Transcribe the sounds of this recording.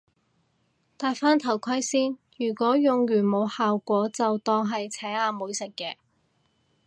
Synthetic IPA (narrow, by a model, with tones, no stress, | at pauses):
t̪aː˨˧jfaː˥nt̪ʰɐ˨˩wkʰɐ˥jsiː˥njyː˨˩kʷɔː˨˥jʊ˨ŋjyː˨˩nmo˨˧whaː˨wkʷɔː˨˥t͡sɐ˨wt̪ɔː˧ŋɦɐ˨jt͡sʰɛː˨˥ŋaː˧muː˨˧jsɪ˨kːɛː˧